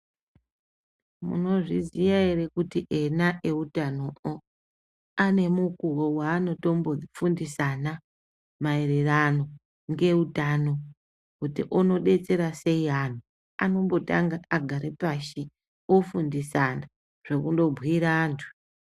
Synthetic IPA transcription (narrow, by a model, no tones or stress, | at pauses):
mṵno̞ʐizijaeɾe̞kutiʔe̞naʔe̞utanoo | ane̞mukuwowaːno̞to̞mbo̞fundisana | maeɾerano̞ | ŋɡe̞utano̞ | kutiʔono̞ɗe̞t͡se̞ɾase̞iɦan̤u | ano̞mbo̞ta̰ŋɡaaɡʱaɾepaʃi | ofundisana | ʐ̥e̞kundo̞bʱwiɾaːntʰu̥